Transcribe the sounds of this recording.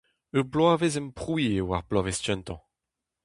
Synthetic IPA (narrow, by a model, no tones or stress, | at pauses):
øplwaːvezɛmpχuiewaʁplɔvestɛ̃nt̪ɑ̃